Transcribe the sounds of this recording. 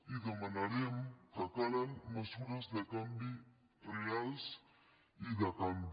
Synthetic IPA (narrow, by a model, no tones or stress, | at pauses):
iðemanaɾemkakaɾaŋmɐsuɾazd̪ekambi | reals | idakambi